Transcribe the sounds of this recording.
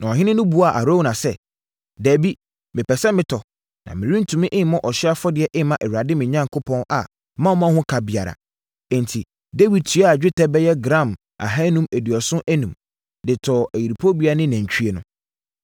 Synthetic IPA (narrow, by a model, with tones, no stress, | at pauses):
nʔã˨ɔ˨ɦɪ̃˦nɪ̃˦nʊ̃˦bu˨˦a˨ʔa˨ɾo˦wnã˨sɛ˦ | dæː˨bi˦ | mɪ̃˨pʰɛ˨sɛ˦mɪ̃˦tʰɔ˨ | nã̰˨mɪ̃˨ɾĩ˦n̩˦tʰũ˨mɪ̃˦ʔɪ̃˦mɔ̃˦ʔɔ˨ɕɪ˦a˦fɔ˦dɪ˨˦ɛ˦ʔɪ̃˦mã˦ʔɛ˨hɥa˨dɪ˦mɪ̃˨ɲã˦ŋkʰʊ˦pʰɔ̃˦na̰˨ | mã˦ɔ˦mã˦hʊ̃˦kʰa˨bɪ˨a˨ɾa̰˨ | ɛ̃˨ntʰi˨ | de˦wi˨d̚tʰi˨˦a˦a˨d͡ʑᶣɪ˦tʰɛ˦bɛ˦jɛ˦ɡɾã˦˨m | a̰˨ɦa˦nũ˦mæ˨di˨ɔ˨sʊ̃˦ʔæ˦nũ˨m | dɪ˨tʰɔ˨ʔæ˨ji˨ɾi˨pʰo˦bi˦a˦nɪ̃˦næ̃˨ɲ˨t͡ɕᶣʰy˦e˦nʊ̰̃˦